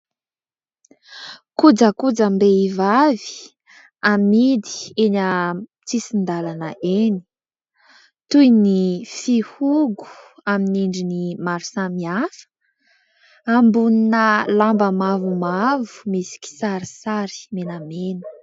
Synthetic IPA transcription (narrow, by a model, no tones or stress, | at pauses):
kud͡zəkud͡zambeivavi̥ | amid̪i̥enə | t͡sisind̪alanəʔeni̥ | t̪ujnifihuɡu̥aminiɳɖ͡ʐinimaɾisamiafə̥ | ambuninəlambəmavumavu̥misi̥ki̥saɾisaɾi̥menamenə̥